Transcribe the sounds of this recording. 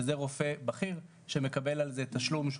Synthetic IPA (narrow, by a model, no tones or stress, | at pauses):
zeʁo̞fe̞baχiʁ | ʃeme̞kabe̞lalzet̪aʃlumʃ